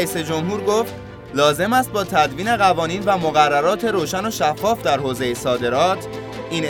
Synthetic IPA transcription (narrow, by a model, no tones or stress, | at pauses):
iːse̞d͡ʒo̞mɦuːɾɡoːft̪ | lɒːze̞mæst̪̚bɒːt̪ʰæd̪viːne̞ɣævɒːniːnvæmoɣærːæɾɒːt̪ʰe̞ɾoːʃæno̞ʃæfːɒːfd̪æɾhoːze̞jesɒːd̪e̞ɾɒːt̪ʰ | ʔiːn